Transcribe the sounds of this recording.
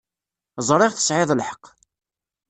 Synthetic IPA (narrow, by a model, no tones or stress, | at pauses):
zˤɾˤɪʁθə̥sʕɪðˤlħə̥q